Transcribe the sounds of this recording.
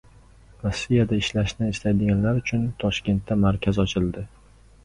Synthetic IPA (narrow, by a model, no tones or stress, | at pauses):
ɾɒsːijad̪aɪʃlaʃnɪːslajd̪ɪɡʲanlaɾʊt͡ʃʰʊnt̪ʰɒʃkʲe̞nt̪ʰːamaɾkʲʰazɒt͡ʃʰɪld̪ɪ